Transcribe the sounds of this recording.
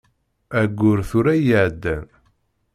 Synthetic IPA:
æɡʷːʊɾθʊɾæjəʕd̪ːæn

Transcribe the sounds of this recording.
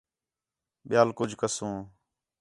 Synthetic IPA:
ɓɪjaːlkʊd͡ʒʱkəsũː

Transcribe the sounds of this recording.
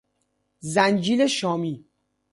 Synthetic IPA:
zænd͡ʒiːleʃɒːmiː

